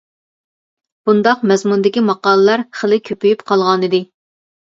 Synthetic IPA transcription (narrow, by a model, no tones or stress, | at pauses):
b̥und̪ɑqmɛzmund̪ɪkʲimɑqɑːlˠɨlˠɑɾχəlɪkʲʰøpyjypqʰɑlˠʁɑnɨd̪ɪ